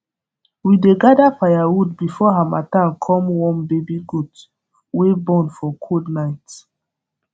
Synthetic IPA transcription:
wideɡadafajawudbifɔɦama̰tankʰɔ̃mwɔ̃nbebiɡud | webɔ̃nfɔkʰudnaɪt

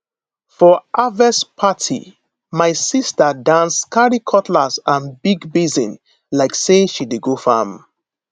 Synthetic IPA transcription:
fɔʔavɛspʰatʰḭ | maɪsistadãnskʰaɹikʰɔtʰlazãnbiɡbizĩn | laɪkseʃideɡofam

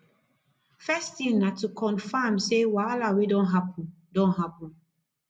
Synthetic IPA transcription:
fɛstĩnatukʰɔ̃nfamsewalawedɔ̃nɦapʰɔ̃n | dɔ̃nɦapɔ̃n

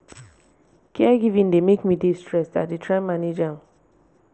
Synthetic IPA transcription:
kʰɛɡivĩndemekmidistɹɛsta̰t̚ditʰɹãmaned͡ʒa

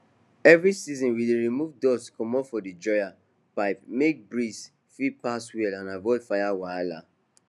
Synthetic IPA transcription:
ɛvɹisizɔ̃nwideɹimuvdɔskʰɔ̃mɔfɔdid͡ʒɔja | paɪpmek̚bɹis | fipaswɛlãnavɔɪd̥fajawajla̰

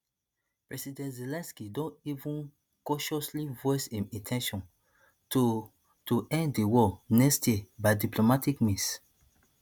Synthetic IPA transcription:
pɹɛsidɛ̃ntzelɛ̃nskidõntivũn | kɔʃɔslivɔɪsĩmĩtʰɛ̃nʃɔ̃n | tuɛ̃nddewɔnɛkstjiebaɪdiplomatikmĩs

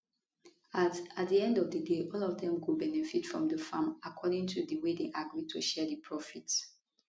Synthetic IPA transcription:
atat̚diɛ̃ndɔvdədeʔɔlɔvdɛ̃mɡubɛnɛfitfɹɔ̰̃mdəfãmakʰɔɾɪ̃ŋtʰuðəwedeʔaɡɹid̚tʰṵʃɛdəpʰɹɔfit

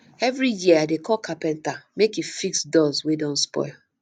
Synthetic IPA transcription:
ɛvɾijiadekʰɔlkʰapɛ̃ntamekifiksdɔzwedõnspɔ̰ɪl

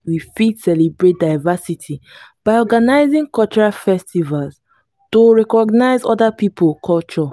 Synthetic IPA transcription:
wifidsɛlibɹet̚daɪvasitʰib̥aɪɔɡanaɪzĩŋkɔlt͡ʃɔɹalfɛstivalz | toɹɛkɔɡnaɪzɔdapipolkʰɔlt͡ʃɔ

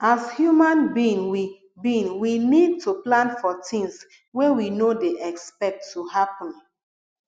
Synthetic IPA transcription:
ashjumãnbĩnwi | bĩnwinid̚tʰuplãnfɔtĩŋs | wɛwinodeʔɛkspɛk̚tʰːuhapɔ̃n

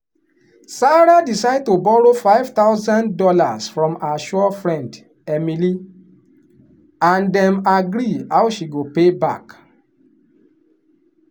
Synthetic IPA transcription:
saɾadisaɪd̚tobɔɾofaɪvt̪aʊzãndɔlasfɹɔ̃maʃuɔfɹɛ̃nd | ɛmili | ãndɛ̃maɡɾiawʃiɡopebak

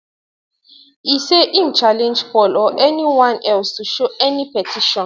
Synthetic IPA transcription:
iseʔĩnt͡ʃʰalɛ̃nd͡ʒfɔlɔʔɛniwãnɛlstʰuʃuɛnipʰɛtʰiʃɔ̃n

